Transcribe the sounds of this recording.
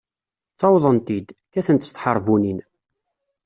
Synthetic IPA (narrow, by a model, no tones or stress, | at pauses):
θɑwðˤənt̪id̪kæθənt̪θħəɾˤvunin